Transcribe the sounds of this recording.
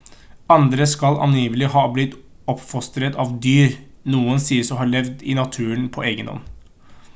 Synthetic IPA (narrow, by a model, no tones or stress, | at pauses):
ɑnd̪ɾəskɑlɑ̰njiːʋlɪhɑːblɪt̪ | ɔpːfɔst̪ɾət̪ɑːʋd̪yːɾ | nuːənsiːəsɔmɦɑːɭɛʋd̪ɪnɑt̪ʰʉːənpʰɔʔeːɡənɔ̰nː